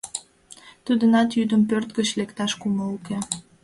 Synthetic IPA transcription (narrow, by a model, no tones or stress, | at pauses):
t̪ud̪ənɑt̪jyd̪əmpørt̪ɡə̆t͡ɕlekt̪ɑʃkuməuke